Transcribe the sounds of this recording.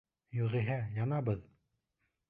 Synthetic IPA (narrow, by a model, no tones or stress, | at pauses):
joʁiɦæjɑnɑbəð